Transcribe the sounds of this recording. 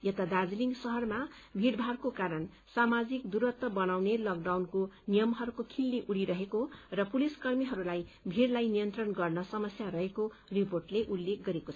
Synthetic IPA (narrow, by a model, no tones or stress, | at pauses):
jʌt̪ad̪ad͡zliŋɡsʌɦʌrma | bʱiɽbʱaɾkokaɾʌn | samad͡zikd̪uɾʌt̪ːʌbʌnawnelɔkɖawnkonijʌmɦʌɾukokʰilneʔuɽiɾʌɦekorʌpuliskʌrmiɦʌɾulajbʱiɽlajnijʌnt̪rʌnɡʌrnʌsʌmʌsjarʌɦeko | riporʈleʔulːek̚ʰɡʌɾekot͡sʰ